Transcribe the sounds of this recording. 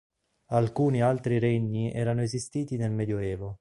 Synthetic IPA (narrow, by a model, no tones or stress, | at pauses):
alkuːnialt̪ɾiɾɛɲːiɛ̰ːɾanoezist̪iːt̪inelmɛːd̪joɛːvo